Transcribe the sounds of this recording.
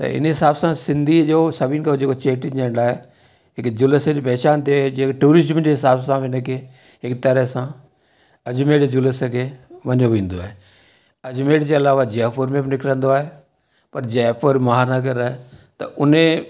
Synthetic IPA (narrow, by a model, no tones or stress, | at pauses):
t̪ɐ̰ɪ̰nɦɪsaːbsãsɪ̃nd̪ʱid͡ʒoːsɐbʱiːnkʰad͡ʑeːkot͡ʃeːʈɪd͡ʒɛ̃ɳɖaːɦe | ɦɪkd͡ʑʊləsd͡ʑopɛːt͡ʃaːnt̪ed͡ʑeːʈuːɾɪzmd͡ʑeɦɪsaːbsãʋɪnəkʰeː | ɦɪkt̪ɐɾəɦsãː | ɐd͡ʒmeːʈd͡ʑʊləskʰeʋɐɲoʋĩːnd̪oaːɦe | ɐd͡ʒmeːʈd͡ʑeːɐlaːʋad͡ʒɛːpəɾmẽbɪnɪkɾə̃n̆d̪oaːɦe | pɐɾd͡ʒɛːpəɾmɐɦaːɾnaɡəɾaːet̪ɐ̰ʔʊnẽ